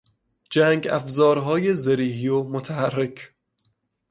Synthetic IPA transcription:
d͡ʒæːŋɡæ̰fzɒːɾɦɒːjezeɾiːɦiːomot̪ʰæhærːecʰ

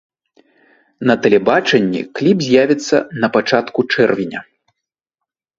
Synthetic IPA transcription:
nɐt̪ɛlʲɛbat͡ʂɛnʲːḭklʲipzʲjavʲit̪sːɐ̰nɐpat͡ʂat̪kut͡ʂɛrvʲinʲɐ̰

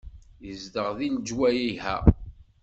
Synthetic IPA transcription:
jəzd̪əʁðild͡ʒwæjiɦæ̰

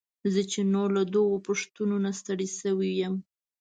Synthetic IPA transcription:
zət͡ʃenolad̪owopəʂt̪unonast̪aɽisəwijam

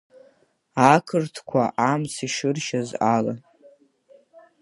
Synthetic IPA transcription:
akʰɨrtʰkʷʰaʔamsʰiʃɨrʃazala

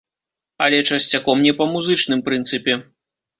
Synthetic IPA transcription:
ɐlʲɛt͡ʂɐsʲt͡sʲakɔmnʲɛpɐmuzɨt͡ʂnɨmpɾɨnt̪sɨpʲɛ

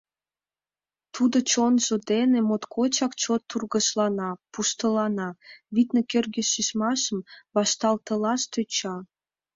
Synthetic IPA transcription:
t̪ud̪ot͡ɕonʒod̪enemot̪kʰot͡ɕɑkt͡ɕot̪ːurɣəʃlɑnɑpuʃt̪əlɑnɑβit̪nekørɣeʃiʃmɑʃəmβɑʃt̪ɑlt̪əlɑʃt̪øt͡ɕɑ

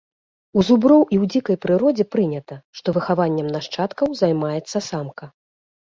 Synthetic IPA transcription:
uzubɾɔwʔiwd͡zʲikɐjpɾɨɾɔd͡zʲɛpɾɨnʲɐt̪ɐʂt̪ɔvɨxavanʲːɐmnaʂt͡ʂat̪kɐwzajmajɛt̪sːɐsamkɐ

